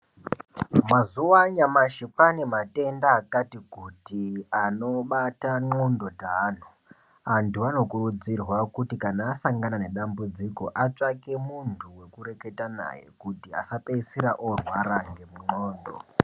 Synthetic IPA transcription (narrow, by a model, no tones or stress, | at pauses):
mazuwaɲamaʃipanemate̞ndaːkatikutiano̞ɓataŋ͡ǃondo̞taːn̤u | antʰuano̞kurud͡zirwakutikanaːsaŋɡanane̞ɗambud͡ziko̞̰ʔat͡ʂake̞muntʰuwe̞kuɾe̞ke̞tana̰jḛkutia̰sapeisiɾaʔorwaɾaŋɡe̞muŋ͡ǃoːndo̰